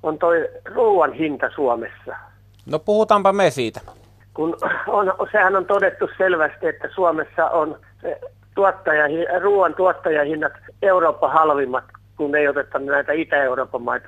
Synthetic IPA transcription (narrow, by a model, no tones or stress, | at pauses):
ont̪oiruːʋɑnhint̪ɑsuɔmesːɑ | nopuhut̪ɑmpɑmesiːt̪æ | kunonsehænont̪odet̪ːusselʋæst̪iet̪ːæsuomesːɑ̰ʔon | se | t̪uɑt̪ːɑjɑhiruːʋɑnt̪uɑt̪ːɑjɑhinːɑt̪euroːpːɑhɑlʋimːɑt̪kunːeiot̪et̪ːɑnnæit̪æit̪æeuroːpːɑmɑit̪ɑ